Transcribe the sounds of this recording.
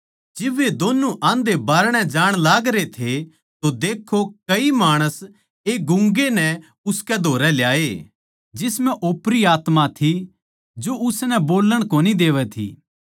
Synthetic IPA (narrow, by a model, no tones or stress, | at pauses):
d͡ʒɪʋed̪oːnũʔãnd̪ebaːɾɽ̃ɛd͡ʒaːɽ̃laːɡɾet̪ʰe | t̪od̪eːkʰːokɐimaːɽ̃əs | eːɡʊ̃ŋɡenɛ | ʊskɛd̪ʱoːɾɛljaːe | d͡ʒɪsmɛ̃ʔoːpɾiaːt̪mãt̪ʰi | d͡ʒoʊsnɛboːlːəɽ̃koːnid̪eːʋɛt̪ʰḭː